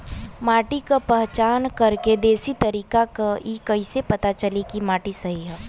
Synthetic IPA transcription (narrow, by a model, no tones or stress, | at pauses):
maːʈikapɛɦt͡ʃaːnkɐɾked̪eːsit̪ɐɾiːkakaikɐisepɐt̪at͡ʃɐlikimaːʈisɐɦiɦɛː